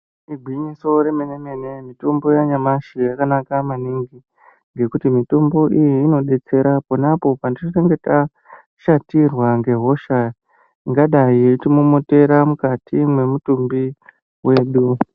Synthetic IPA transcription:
iɡʱwiɲiso̞ɾe̞mene̞mene̞mito̞mbo̞jaɲamaʃijakanakamaniŋɡi | ŋɡe̞kutimito̞mbo̞ʔijiːno̞ɗe̞t͡se̞ɾaponapo̞pandinoreŋɡe̞ta | ʃatirwaŋɡe̞ɦo̞ʃa | iŋɡaɗaiitimumote̞ɾamukatimwe̞mutumbi | we̞ːɗu

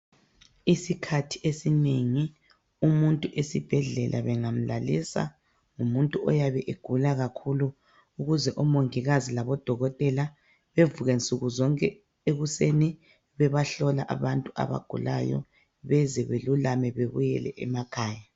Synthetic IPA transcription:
isikʰatʰi̥ʔesineŋi | umuntʼuʔesib̥ʱɛɮɛ̰lʔa̰βɛŋam̩lalisa̰ | ŋumuntʼuɔjaβɛʔeɡ̥ʱulaɣakʰulu | uɣuzɛʔɔmoŋiɣazilaβɔd̥ʱɔɣɔtʼɛla | βevuɣent͡sʼuɣuzɔŋkʼɛ | eɣuseni | βɛβaɬɔla̰ʔaβantʼuʔa̰βa̰ɡ̥ʱṵla̰jɔ̰ | βɛzɛβelulamɛβeβujɛlɛ̰ʔɛmakʰaːja

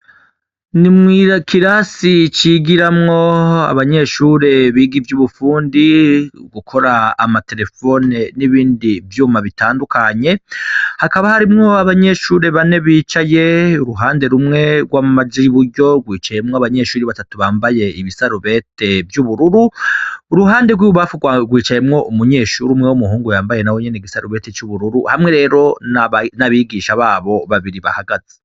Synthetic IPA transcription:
nimŋiːɾakʰiɾasit͡ʃiɡiɾamŋo̞a̰βaɲe̞ʃuːɾe̞βiːɡivjuβufuːndiɡukʰo̞ɾaːmate̞ɾe̞fo̞neniβiːndivjuːmaβitaːndukaɲe̞hakaβahaɾimŋo̞aβaɲe̞ʃuːɾe̞βane̞βiːt͡ʃaje̞uɾuɦaːnde̞ɾumŋe̞ɡwaːmaziβuɾɟo̞ɡwiːt͡ʃaje̞mŋoaβaɲe̞ːʃuːɾiβatatuβaːmbaje̞iβisaɾuβe̞te̞vjuβuɾuɾuː | ɾuɦaːnde̞ɡwiuβafuɡwɡwiːt͡ʃaje̞mŋo̞ʔumuɲe̞ːʃuːɾiumŋewumuɦuːŋɡujaːmbaje̞nawoɲeneiɡisaɾuβe̞tet͡ʃuβuɾuɾuhamŋe̞ɾe̞ːɾo̞nanaβiɡiːʃaβaːβo̞βaβiɾiβa̰haɡaz̥e

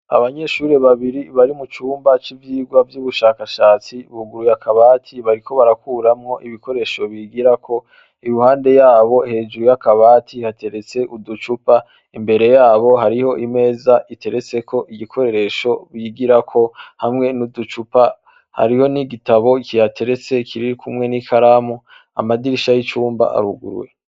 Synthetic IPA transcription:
a̰βaɲe̞ʃuːɾe̞βaβiɾiβaɾimut͡ʃuːmbat͡ʃivjiːɡwavjuːβuʃaːkaʃaːt͡siβuɡuɾujakʰaβaːtʰiβaɾikʰo̞βaɾakuːɾamŋo̞ʔiβiko̞ɾe̞ʃo̞βiɡiɾakʰo̞ | ijuhaːnde̞jaːβo̞he̞ːd͡ʒuɾujakaβaːtʰihate̞ɾe̞t͡se̞ʔudut͡ʃupa | imbe̞ɾe̞jaːβo̞ɦaɾiho̞ʔime̞ːzaʔite̞ɾe̞t͡se̞kʰo̞ʔiɡikʰo̞ɾe̞ɾe̞ʃo̞βiɡiɾakʰo̞hamŋe̞nudut͡ʃupa | ha̰ɾiho̞niɡitaβo̞ikijatʰe̞ɾe̞t͡se̞kʰiɾiɾikʰumŋe̞nikʰaɾamu | a̰madiɾiʃajit͡ʃuːmba̰ʔa̰ɾuɡṵɾwḛ

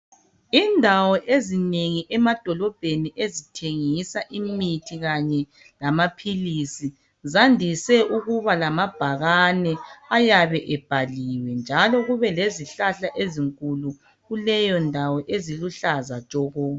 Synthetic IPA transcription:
indʱawɔʔezineŋiʔɛmad̥ʱɔlɔb̥ʱeniʔezitʰeŋisaʔimitʰiɣaɲɛ | lamapʰilisi | zandʱisɛʔuɣuβalamab̥ʱaɣanɛajaβɛʔɛb̥ʱaliwɛnd͡ʒʱalɔɣuβɛleziɬaɬaʔeziŋkʼulu | ɣulɛjɔndʱawɔʔeziluɬazat͡ʃʼɔɣɔ

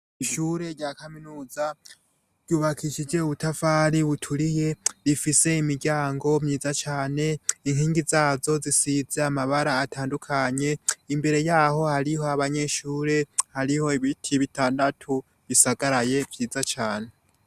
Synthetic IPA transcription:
iʃuːɾe̞ɾɟaːkaminuːza | ɾɟuːβakʰiʃid͡ʒe̞uβutafaːɾiβutʰuɾije̞ɾifise̞imiɾɟaːŋɡo̞mɲiːzat͡ʃaːne̞iŋ̥hiːŋɡizaːzo̞zisize̞amaβaɾaːtʰaːndukʰaɲe̞imbe̞ɾe̞jaːho̞haɾiho̞aβaɲe̞ʃuːɾe̞haɾiho̞iβitʰiβitaːndatʰu | βisaɡaɾaje̞vjiːzat͡ʃaːne̞

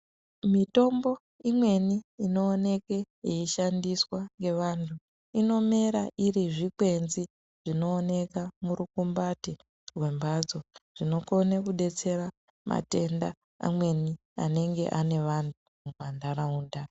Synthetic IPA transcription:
mito̞mbo̞ | imwe̞niino̞ːne̞ke | iiʃandiswaŋɡe̞ʋantʰu | ino̞me̞ɾaʔiɾiʐikwe̞nzi | ʐ̥ino̞ːne̞kamuɾukumbati | rwe̞mbad͡zo̞ʐ̥ino̞ko̞nekuɗe̞t͡se̞ɾa | ma̰te̞nda | a̰mwe̞ni | a̰ne̞ŋɡe̞̰ʔane̞ʋantʰumumwandaɾauːnda

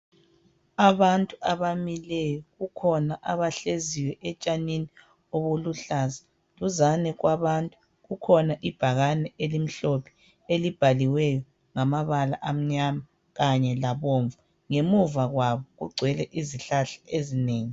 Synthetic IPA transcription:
aβantʼuaβamilɛjɔɣukʰɔnaʔaβaɬeziwɛʔɛt͡ʃʼanini | oβuluɬaza | luzanɛɣwaβantʼu | ɣukʰɔnaʔib̥ʱaɣanɛʔelim̩ɬopʰi̥ | elib̥ʱaliwɛjɔ | ŋamaβala̰ʔam̩ɲama | ɣaɲɛlaβoɱvu | ŋemuvaɣwaβɔɣṵɡ͡ǀʱwɛlɛʔiziɬaɬḁʔezineːŋi

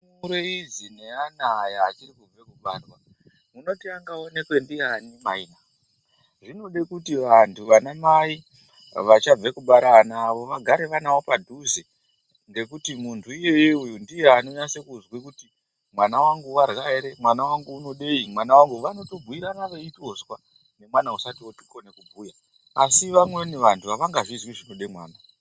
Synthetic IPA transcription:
uɾeid͡zineanaːjaːt͡ʃirikub͡vekuɓarwa | muno̞tiaŋɡao̞ne̞kwe̞ndianimaina | ʐino̞ɗe̞kutiʋantʰuʋanamai | ʋat͡ʃab͡vekuɓaɾanaːʋo̞ʋaɡʱaɾe̞ʋanawopadʱuze | ŋɡe̞kutimuntʰuije̞jeujundijeano̞ɲasekuzwekuti | mwanawaŋɡuwarɣaeɾe̞mwanawaŋɡuːno̞ɗeimwanawaŋɡuʋano̞to̞bʱuiɾanaʋe̞itoswa | ne̞mwanausatioti̥konekubʱuːja | asiʋamweniʋantʰuʋaʋaŋɡaʐizwiʐino̞ɗemwaːna

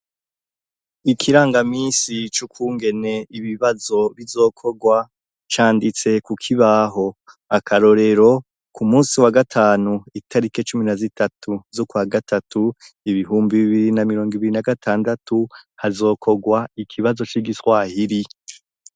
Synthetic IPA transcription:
ikʰiɾaːŋɡamiːnsit͡ʃukʰuːŋɡe̞ne̞iβiβazo̞βizo̞ːkʰo̞ɡwa | t͡ʃaːndit͡se̞kukʰiβaɦo̞ | akʰaɾo̞ɾe̞ɾo̞ | kʰumuːsiwaɡatʰaːnuitaɾiket͡ʃuminazitatʰuzokwaɡatatʰuiβiɦuːmbiβiβiɾinamiɾo̞ːŋɡiβiɾinaɡatʰaːndatuhazo̞ːkʰo̞ɡwaikʰiβazo̞t͡ʃiɡiswahiɾi

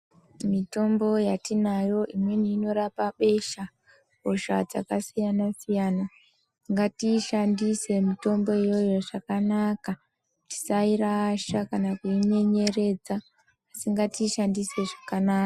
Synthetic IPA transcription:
mito̞mbo̞jatinajo̞ʔimwe̞niːno̞ɾapaɓe̞ʃa | oʃa̰d͡za̰kasijanasijaːna | tiŋɡatiʃandise̞mito̞mbo̞ijo̞jo̞ʐakanaka | ti̥saiɾaːʃakanakuiɲe̞ɲe̞re̞d͡zaː | siŋɡatiʃandise̞ʐakanaːka

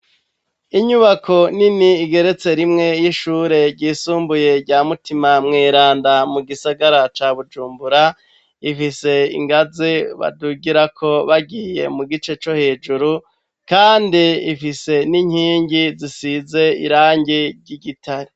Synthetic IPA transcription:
iɲuβakʰo̞niniːɡe̞ɾe̞t͡se̞ɾimŋe̞jiʃuːɾe̞ɾɟiːsuːmbuje̞ɾɟamutimamŋiːɾaːndamuɡisaɡaɾat͡ʃaβud͡ʒuːmbuɾa | ifise̞ḭŋɡaziβa̰duɡiɾakʰo̞βaɡiːje̞̰muɡit͡ʃe̞t͡ʃo̞he̞d͡ʒuɾu | kaːndiifise̞niɲhiːɲɟizisize̞ḭɾaːɲɟiɾɟiɡitʰaɾi

